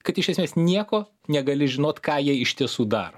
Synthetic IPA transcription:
kɐt̪ɪʃʲɛsʲmʲeːsnʲiɛkoː | nʲɛɡɐlʲɪʒʲɪnoːt̪kɑːjiɛɪʃʲt̪ʲiɛsuːd̪ɑ̰ːɾo

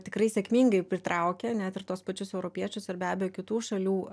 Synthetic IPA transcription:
t̪ʲɪkɾɐɪsʲɛːkmʲiːŋɡɐɪpʲɾʲɪt̪ɾɐʊkʲɛnʲæːt̪ɪrt̪oɔspɐt͡ʃʲʊsɛʊɾopʲiɛt͡ʃʲʊsɪrbʲæːbʲɛjoːkʲɪt̪uːʃɐlʲuː

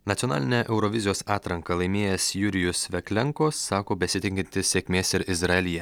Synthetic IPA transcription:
nɐt̪sʲonɑ̰ːlʲɪnʲɛʔɛʊɾɔʋʲɪzʲɪjoːsɑːt̪ɾɐŋkɐlˠɐɪmʲeːjɛsjʊɾʲɪjʊsʋʲɛkʲlʲɛŋkoːsːɑːkoːbʲɛsʲɪt̪ʲɪŋʲkʲɪnʲt̪ʲɪsʲsʲeːkʲmʲeːsɪɾɪzɾɐɛlʲɪjɛ

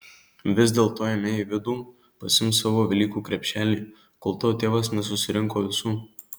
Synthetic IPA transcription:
ʋʲɪzʲd̪ʲeːlˠt̪oːjɛmʲejɛʋʲɪd̪uː | pɐsʲɪmsɑːʋoːʋʲɪlʲiːkuːkɾʲɛpʲʃʲæːlʲiː | koːlˠt̪oːt̪ʲeːʋɐsnʲɛsʊsʲɪɾʲɪŋkoːʋʲɪsuː

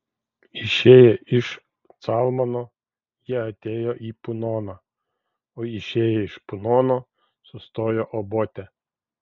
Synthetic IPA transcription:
iʃɛjɛiʃ | t̪sɑlˠmɐnɔ | jɛɦɐt̪ʲɛjɔʔipʊnɔnɐ | ɔiʃɛjɛiʃpʊnɔnɔ | sɔst̪ɔjɔʔɔbɔt̪ʲɛ

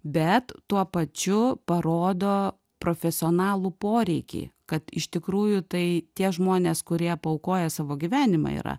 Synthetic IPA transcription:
bʲɛt̪tuɔpɐt͡ʃʲʊpɐɾoːd̪oː | pɾoːfʲɛsʲɪoːnɑːlˠuːpoːɾʲɛɪkʲḭkɐt̪ɪ̰ʃt̪ʲɪkɾuːjʊt̪ɐɪt̪ʲiɛʒmoːnʲeːskʊɾʲiɛpɐʊkoːjɛsɑːʋoːɡʲiʋʲæːnʲɪmɑ̰ḭːɾɐ̰

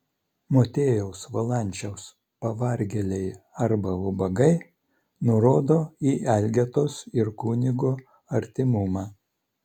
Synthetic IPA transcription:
moːt̪ʲeːjɛʊsʋɐlˠɐˑnʲˑt͡ʃʲɛʊs | pɐʋɐɾʲɡʲɛlʲɛɪɐɾbɐʊbɐɡɐɪ | nʊɾoːd̪oːiːʔɛlʲɡʲɛt̪oːsɪɾkuːnʲɪɡuː | ɐɾʲt̪ʲɪmʊmɑː

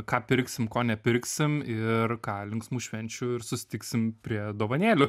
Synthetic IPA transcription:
kɑːpʲɪɾʲksʲɪmkoːnʲɛpʲɪrʲksʲɪmɪrkɑːlʲɪŋksmuːʃʲʋʲɛnʲt͡ʃʲʊɪɾsʊsʲɪ̥t̪ʲiːksʲɪmpʲɾʲiɛd̪oːʋɐnʲeːlʲʊ

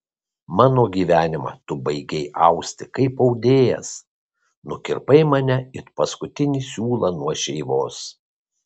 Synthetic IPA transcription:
mɑːnoːɡʲiːʋʲæːnʲɪmɑ̰t̪ʊbɐɪɡʲɛɪʔɐʊsʲt̪ʲɪkɐɪpɐʊd̪ʲeːjɛ̰s | nʊkʲɪɾpɐɪmɐnʲɛɪɾpɐskʊt̪ʲɪnʲiːsʲuːlˠɐnuɔʃʲɛɪʋoːs

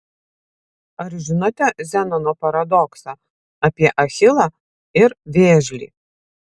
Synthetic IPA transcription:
ɐɾʒʲɪnot̪ʲɛzʲænɐnoːpɐɾɐd̪ɔksɑ | ɐpʲiɛʔɐxʲɪlˠɐ | ɪɾʋʲeːʒʲlʲḭː

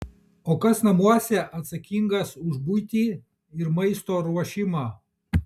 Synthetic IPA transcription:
oːkɐsnɐmuɔsʲɛʔɐt̪sɐkʲiŋɡɐsʊʒbujt̪ʲiː | ɪɾmɐɪst̪oːɾuɔʃʲɪmɑː

